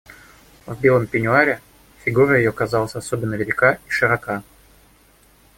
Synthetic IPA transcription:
vbʲelˠəmpʲɪnʲʊaɾʲɪ | fʲɪɡuɾəjɪjokɐzɑlˠəsʲɐsobʲɪnːəvʲɪlʲɪkaiʂɨɾɐka

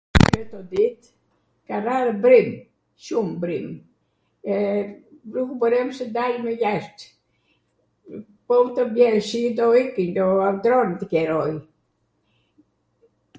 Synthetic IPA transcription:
ɛt̪ɔd̪it̪ | karaɾəbɾim | ʃumbɾim | ɛ | ɾukubəɾɛmsɛd̪alməjaʃt̪ | pɔwt̪əbjɛlʃid̪ɔikiɲd̪ɔad̪ɾɔnt̪əkɛɾɔj

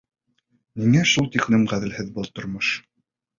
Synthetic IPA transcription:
miŋæʃulˠt̪iqnɘmʁæðɘ̆lhɘðbɤlˠt̪ŏɾmoʃ

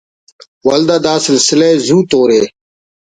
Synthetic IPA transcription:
wɐld̪ad̪aːsɪlsɪleezuːt̪oːɾeː

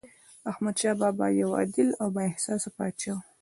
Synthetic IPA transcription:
ahmad̪ʃɑbɑbɑ̰jawɑ̰d̪ɪlawbaɪhsɑsapɑt͡ʃɑ

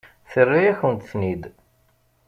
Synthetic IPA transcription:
θərːijæçənt̪θnid̪

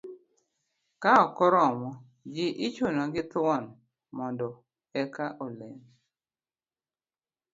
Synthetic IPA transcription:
kaɔkɔɾɔmɔ | d͡ʒɪʔɪt͡ʃunɔɡɪt̪wɔn | mɔndɔ | ɛkaʔolen

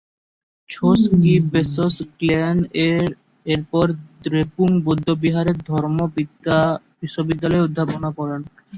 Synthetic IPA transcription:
t͡ɕʰoskibesoskleneɾ | eɾpɔɾd̪ɾepuŋbod̪ʱːobiɦaɾeɾd̪ʱɔɾmobi | biʃːobid̪ːalɔeod̪ʱːaponakɔɾen

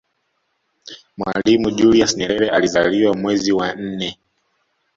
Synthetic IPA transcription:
mwa̰limuʄuliasɲɛɾɛɾɛʔalizaliwamwɛziwan̩nɛ

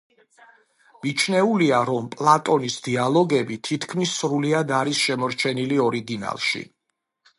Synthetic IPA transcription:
mit͡ʃʰnɛuliaɾɔmpʼlˠat̪ʼɔnisd̪ialˠɔɡɛbit̪ʰit̪ʰkʰmisːɾuliad̪aɾisʃɛmɔɾt͡ʃʰɛniliɔɾiɡina̰lˠʃḭ

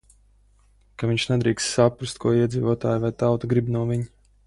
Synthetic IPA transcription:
kaviɲʲʃnɛd̪ɾiːkssapɾust̪̚kuɔiɛd̪ziːvuɔt̪a̰ːjvajt̪awt̪aɡɾibnuɔviɲ

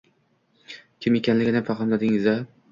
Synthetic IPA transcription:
kʲʰɪmjekʲʰanlɪɡʲɪnɪfaqlɨmlad̪ɪŋɪza

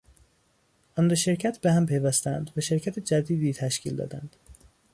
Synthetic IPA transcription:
ʔɒnd̪eʃe̞ɾcʰæt̪behæmpʰe̞jvæst̪ænd̪væʃe̞ɾcʰæt̪ʰed͡ʒæd̪iːd̪iːt̪ʰæʃcʰḭːld̪ɒ̰ːd̪æ̰nd̪̥

